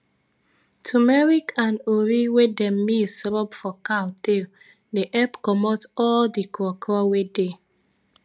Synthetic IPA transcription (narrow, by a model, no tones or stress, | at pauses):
tʰumeɾikanoɾiwedem̩misɾɔpfɔkaʊte | neʔɛpkɔmɔtɔldikɾɔkɔwede